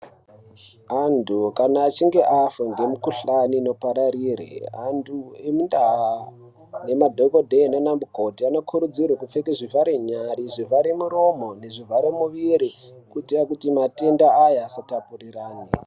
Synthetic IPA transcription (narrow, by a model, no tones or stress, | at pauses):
antukanaːt͡ʃiŋɡe̞ʔafoŋɡe̞mukuɬanino̞paɾaɾiːrḛandʰuemundaɦa | ne̞madʱoko̞dʱenonambuko̞tiano̞kʰuɾud͡zirwakufekeʐivaɾeɲaɾiʐivaɾemuɾo̞mo̞ne̞ʐivaɾemuʋiɾikutiakutimatendaajaːsatapuriraːni